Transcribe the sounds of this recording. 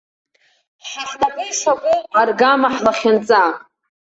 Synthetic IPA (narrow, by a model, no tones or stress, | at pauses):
ħanakʼejʂakʷʼeqarɡamaħlaχʲant͡sʼa